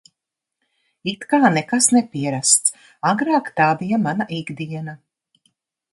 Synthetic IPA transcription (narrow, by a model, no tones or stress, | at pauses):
it̪kaːnɛkasnɛpiɛɾast̪s | aɡɾaːkt̪aːbijamanaʔiɡd̪iɛna